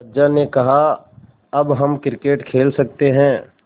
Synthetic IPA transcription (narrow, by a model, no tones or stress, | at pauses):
d͡ʒanekɐɦa | ɐbɦɐmkɪɾɪkeːʈkʰeːlsɐk̚t̪eɦɛ̃ː